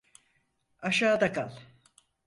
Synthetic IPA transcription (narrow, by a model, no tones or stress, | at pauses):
aʃaːd̪akʰalˠ